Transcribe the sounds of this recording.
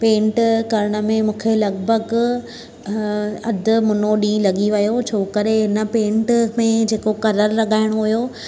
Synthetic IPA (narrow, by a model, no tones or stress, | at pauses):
pẽːɳʈkɐɾɪɽ̃ə̆mẽmũːkʰelɐɡbʱəɡ | ɐd̪ʊ̆mʊnoɗĩːlɐɠiʋɐjot͡ɕʰoːkəɾeɦɪnə̆pẽːɳʈmẽd͡ʑeːkokɐɾəɾːɐɠʱaːɪɽ̃oɦʊjo